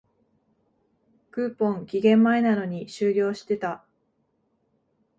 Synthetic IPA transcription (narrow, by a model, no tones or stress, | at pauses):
kɯ̟ːpõ̞ŋkʲiɡẽ̞mːaenano̞ɲ̟iɕɨːɾʲo̞ːɕi̥t̪e̞t̪a